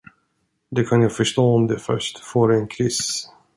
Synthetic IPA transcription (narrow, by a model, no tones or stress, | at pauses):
d̪ɛkʰanjɑːɡfœʂʈoːɔmd̪ɛfœ̰ʂʈfoːɾɛɛnkʰɾɪs